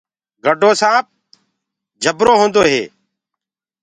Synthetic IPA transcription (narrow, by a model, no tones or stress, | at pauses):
ɡʱəɖʱoːsãːp̚ | d͡ʒʱəbɾoːɦõːnd̪oːɦeː